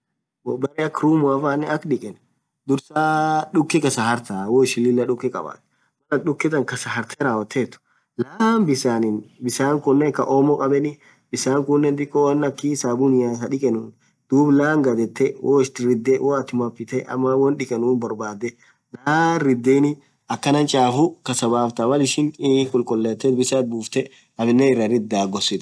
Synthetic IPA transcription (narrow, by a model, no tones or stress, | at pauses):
wɔbɐɾɛɐkɾuːmʊɐfaːnːɛɐkᶑɪkʼɛn | d̪ʊɾsaːᶑʊkːɪkɐsɐhɐɾt̪awɔɪʃɪlːɪlːɐᶑʊkːɪkʼɐ̰ba̰ːt̪ː | mɐlɐɗʊkːɪt̪ɐŋkɐsɐɦɐɾt̪ɛɾaːwɐt̪ʰːeːt̪ːʊ̥ | laːmbɪsaːnɪnbɪsaːŋkʊnːɛŋkɐʔɔːmɔkʼɐbɛnɪ | bɪsaːŋkʊnːɛnd̪ɪkːɔwɐnːɐkːiːsaːbʊnɪjasɐᶑɪkʼɛnʊːn | d̪̥uːblaːŋɡɐd̪ɛt̪ːɛwoɪst̪ɪɾɪd̪ːɛwʔoːɐt̪ɪmɐpːɪt̪ɛɐ̰mːɐwɐnᶑɪkʼɛnuːnbɐɾbaːd̪ɛ | laːɾɪd̪ːeːnɪ | ɐkːɐnɐnt͡ʃʼaːfʊkɐsɐbaːft̪ɐmɐlɪʃɪŋkʼʊlkʼʊlːeːt̪ːɛt̪bɪsat̪̚buːft̪ɛ | ɐbɪnːɛɪrːɐɾɪd̪ːaːɡɔsɪt̪